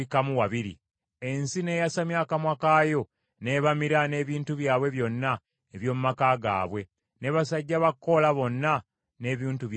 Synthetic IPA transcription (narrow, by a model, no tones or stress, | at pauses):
ikamuwaβiɾḭ | e̞nsine̞ːjasamjaːkamwakaːjo̞ | ne̞ːβamiɾane̞ːβiːntuβjaːβwe̞βjo̞nːa | eβjo̞ːmumakaːɡa̰ːβwe̞ | ne̞βasaɟːaβakːo̞laβo̞nːa | ne̞ːβiːntuβj